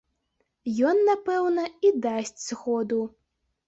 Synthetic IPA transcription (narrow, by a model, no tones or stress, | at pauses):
jɔnːapɛwnɐid̪asʲt͡sʲsxɔd̪u